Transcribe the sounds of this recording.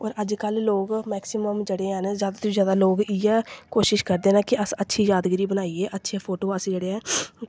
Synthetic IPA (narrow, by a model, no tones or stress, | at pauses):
ɔ̰ːɾəd͡ʒkəlloːɡmɛːksɪməmd͡ʒeːɽeːɦɛnzjaːd̪aːt̪ozjaːd̪aːloːɡiɛːkoːʃɪʃkəɾd̪eːnaːkɪʔəsətːʃʰiːjaːd̪ɡɾiːbənaːiːeːʔətːʃʰeːpʰoːʈoːəsd͡ʒeːɽeːɛː